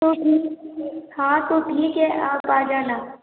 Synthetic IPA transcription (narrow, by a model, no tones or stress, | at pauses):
oi | hãːt̪oʈʰiːkɛʔaːpaːd͡ʒaːna